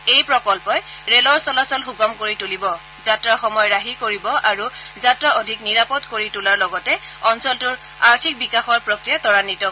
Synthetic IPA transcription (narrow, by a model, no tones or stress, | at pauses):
ejpɹɔkɔlpɔjɹelɔɹsɔlasɔlxuɡɔmkoɹitulibɔ | zatɹaɹxɔmɔjɔɹaɦikoɹibɔʔaɹuzatɹaodʱikniɹapɔtkoɹitulaɹlɔɡɔtɛɔnsɔltʊɹ | aɹtʰik̚bikaxɔɹpɹɔkɹijatɔɹanitɔ